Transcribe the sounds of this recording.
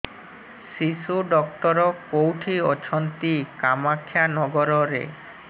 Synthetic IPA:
ʃiʃuɖɔk̚ʈɔɾɔkowʈʰiɔt͡ʃʰɔnt̪ikamakʰːjanɔɡɔɾɔɾḛ

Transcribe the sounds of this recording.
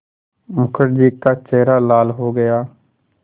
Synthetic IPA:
mʊkʰəɾd͡ʒiːkaːt͡ʃeːɾaːlaːlɦoːɡəjaː

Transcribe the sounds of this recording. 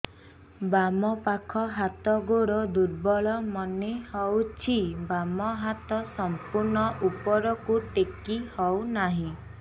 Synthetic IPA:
bamɔpakʰɔɦat̪ɔɡoɾɔd̪uɾbɔɭɔmɔnehɔwt͡ʃʰibamɔɦat̪ɔsɔmpuɾnɔʔupɔɾɔkuʈekihɔwnaɦĩ

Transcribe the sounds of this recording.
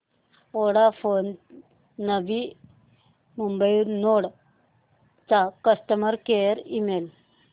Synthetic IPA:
oɽafonː | əbi | mumbəjuɾnoɽ | t͡sakəst̪əməɾkejəɾimel

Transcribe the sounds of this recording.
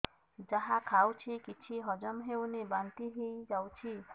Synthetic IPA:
d͡ʒaɦakʰawt͡ʃʰikit͡ʃʰiɦɔd͡ʒɔmɦewnebant̪iɦejd͡ʒawt͡ʃʰi

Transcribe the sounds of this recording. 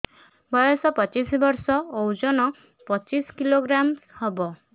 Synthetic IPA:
bɔjɔsɔpɔt͡ʃisbɔɾsɔowd͡ʒɔnɔ | pɔt͡ʃiskiloɡɾamhɔbɔ

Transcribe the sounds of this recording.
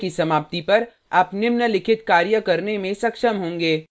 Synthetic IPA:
kisɐmaːp̚t̪ipɐɾ | ɐpnɪmnɐlɪkʰɪt̪kaːɾjəkɐɾnemẽsɐkʃəmɦõːŋ̆ɡeː

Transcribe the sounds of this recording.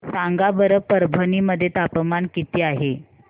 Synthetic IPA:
saŋɡabəɾəpəɾbʱəniːməd̪ʱːjet̪apəmaɳkit̪iːaɦe

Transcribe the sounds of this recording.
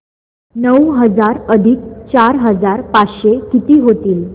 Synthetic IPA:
nəwɦəd͡zaɾəd̪ʱik̚t͡ɕaɾɦəd͡zaɾpat͡sɕekit̪iːɦot̪iːl

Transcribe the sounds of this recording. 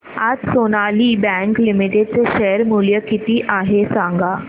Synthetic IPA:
ad͡zsonaliːbɛ̃ŋklimiʈeɖ̚t͡seɕʃejəɾmuljəkit̪iːʔaɦesãŋɡa

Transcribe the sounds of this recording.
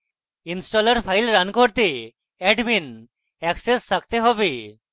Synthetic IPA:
insʈɔləɾpʰajlɾankɔɾt̪i | ɛɖbin | ɛksesːak̚t̪eɦɔbi

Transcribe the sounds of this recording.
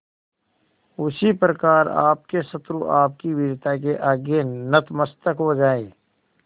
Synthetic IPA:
ʊsipɾəkaːɾa̰ːp̚kesət̪ɾuʔaːp̚kiʋɪɾt̪ʰak̬eʔaːɡenət̪məst̪əkɦod͡ʒaːeː

